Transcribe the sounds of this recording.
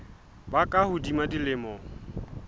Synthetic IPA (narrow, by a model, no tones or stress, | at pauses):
bakʼahʊdimadilɪmɔːŋ̩